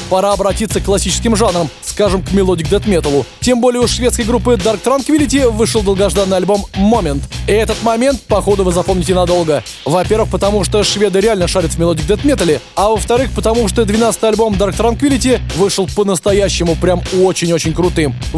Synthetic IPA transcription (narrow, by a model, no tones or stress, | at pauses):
pɐɾaɐbɾɐtʲit̪səkːlˠɐsʲit͡ɕɪ̥skʲɪmʐanɾəmskaʐɨmkmʲɪlˠodʲɪk̚d̪ɛt̪mʲet̪əlˠʊtʲe̞mbo̞lʲɪjəʊʂvʲe̞t̪skəjɡɾupːɨd̪ark̚t̪ɾankvʲilʲɪtʲɪvɨʂɨəlˠd̪əlˠɡɐʐd̪anːɨjɐlʲbo̞mːomʲɪnt̪ɛt̪ət̪mɐmʲe̞nt̪̚pɐxo̞d̪ʊvɨzɐpo̞mnʲɪtʲɪnɐd̪o̞lˠɡə | vɐpʲe̞rɾvɨxpət̪ɐmuʂt̪oʂvʲe̞d̪əɾʲɪalʲnəʂaɾʲɪt̪vmʲɪlˠodʲɪk̚d̪ɛt̪mʲe̞t̪əlʲɪavəft̪ɐɾɨxpət̪ɐmuʂt̪od̪vʲɪnat̪sɨ̥t̪ɨjɐlʲbo̞md̪ark̚t̪ɾankvʲilʲɪtʲɪvɨʂəlˠpənəst̪ɐjæɕːɪmʊpɾʲamot͡ɕɪnʲo̞t͡ɕɪnʲkɾʊt̪ɨm